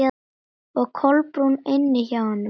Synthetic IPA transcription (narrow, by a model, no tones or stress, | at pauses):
a | ɔɣkʰɔlpɾunɪnːɪçawanːʏ